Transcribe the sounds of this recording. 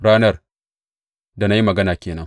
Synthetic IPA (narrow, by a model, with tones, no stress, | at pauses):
ɽaː˦nɐ˦r | da˨na˦ji˦mɐ˨ɡɐ˦naː˨kʲeː˨nɐ˦ŋ